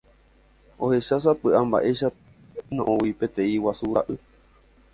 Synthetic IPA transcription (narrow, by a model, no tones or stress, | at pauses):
ohe̞ʃasapɨʔamba̰ʔe̞ʃa | nõʔõwipẽt̪ẽĩwasuɾa̰ʔɨ